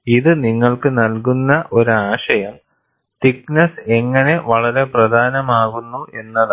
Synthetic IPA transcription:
iðɨniŋːɐɭkɨnɐlkunːɐʔo̞ɾuaːʂɐjɐm | t̪iknɐse̞ŋːɐne̞ʋɐɭɐɾe̞prɐd̪ʱaːnɐmaːɣunːuʔe̞nːɐðɨ

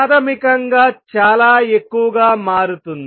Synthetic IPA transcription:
t̪ʰɐmikɐŋɡaːt͡ʃaːlaːe̞kːuʋɐɡaːmaːɾut̪und̪

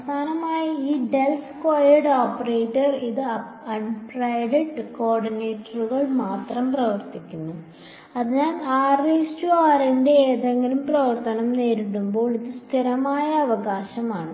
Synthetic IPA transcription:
d̪ʰaːnɐmaːjiiːɖelskaːjɐɽoːpːɐreːʈːɐriðɨɐɐɳprɐjɽeʈːko̞ːrɖineːʈːɐruɣɐɭmaːt̪rɐmprɐʋɐrt̪ikʲːunːu | ɐðɨɲaːnaːristuaːɾinɖe̞eːðɐŋːɐlumprɐʋɐrt̪ɐnɐmne̞ːɾiɽumbo̞ːɭiðɨst̪ʰiɾɐmaːjɐːʋɐɣaːɕɐmaːɳɨ

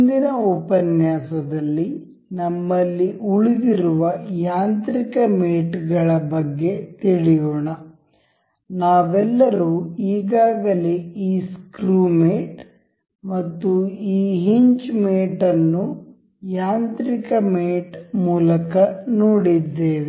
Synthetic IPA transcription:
nd̪inɐɔpɐnjaːsɐd̪ɐlːi | nɐmːɐlːiʔuɭid̪iɾuʋɐjaːnt̪ɾikɐmeːʈɡɐɭɐbɐɡːe̞t̪iɭijoːɳɐ | naːʋɛlːɐɾuiːɡaːɡɐleiːskɾuːmeːʈ | mɐt̪ːuiːɦiɲt͡ʃmeːʈɐnːu | jaːnt̪ɾikɐmeːʈmuːlɐkɐnoːɽid̪ːeːʋi

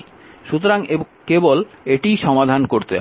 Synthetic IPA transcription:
ʃut̪oɾaŋe | keboleʈijʃɔmad̪ʱankoɾt̪e

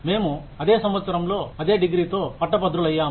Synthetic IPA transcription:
me̞ːmu | ɐd̪e̞ːsɐmʋɐt̪sɐɾɐmlo̞ːɐd̪e̞ːɖiɡɾiːt̪o̞ːpɐʈːɐpɐd̪ɾulɐjːaː

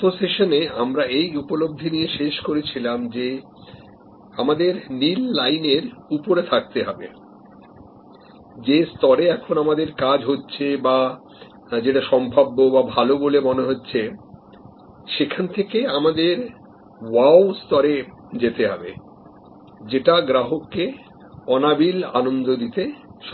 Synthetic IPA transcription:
t̪oseʃoneamɾaejupolob̚d̪ʱinijeʃeʃkoɾet͡ɕʰilamd͡ʑe | amad̪eɾnilːajneɾupoɾet̪ʰak̚t̪eɦɔbḛ | d͡ʑest̪ɔɾeɛkʰonamad̪eɾkad͡ʑɦotːɕʰeba | d͡ʑeʈaʃɔmbʱabːobabʱalobolemoneɦotːɕʰe | ʃekʰant̪ʰekeamad̪eɾ | wawst̪ɔɾe | d͡ʑet̪eɦɔbḛ | d͡ʑeʈaɡɾaɦokːe | ɔnabila̰nond̪od̪it̪eʃ

